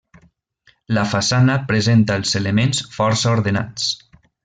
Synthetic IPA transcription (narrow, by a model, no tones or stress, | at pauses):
ləfasanəpɾezent̪əːlˠzelemensfɔɾsəuɾðena̰t͡s